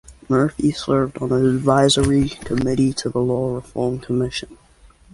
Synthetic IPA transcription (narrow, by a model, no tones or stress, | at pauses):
mɜ˞fisɜ˞vdn̩əɨdvaɪzə˞ikʰəmɪɾiɾəðəlɔɹəfɔɹmkʰəmɪʃɨ̃n